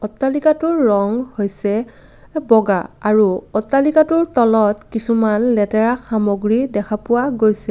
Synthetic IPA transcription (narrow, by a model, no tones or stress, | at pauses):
ɔtːalikatʊɹːɔŋhojsɛ | bɔɡaaɹuɔtːalikatʊɹtɔlɔtkisumanlɛtɛɹaxamoɡɹidɛkʰapʊwaɡojsɛ